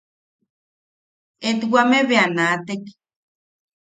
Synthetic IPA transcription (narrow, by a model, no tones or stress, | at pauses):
et̪wameβeanat̪ek